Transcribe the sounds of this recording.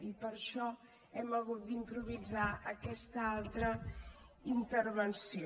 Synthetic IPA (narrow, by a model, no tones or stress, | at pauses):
ipəɾʃɔ | ɛməɣut̪̚d̪impɾuβ̞izaʔəkɛst̪əalˠt̪ɾə | int̪əɾβənsio